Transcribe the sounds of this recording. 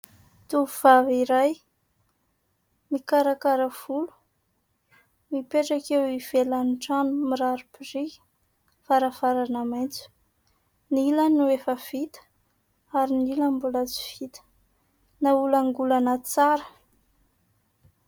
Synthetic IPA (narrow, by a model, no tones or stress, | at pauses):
t̪uvuv̥aviɾaj | mikaɾakaɾəv̥ulu̥ | mipeʈ͡ʂakewiv̥elanʈ͡ʂanumiɾaɾupiri̥ | faɾafaɾanamajnt͡su̥ | nilanuefəv̥it̪ə̥ | aɾinilambulat͡si̥vit̪ə̥ | naulaŋɡulanət͡saɾə̥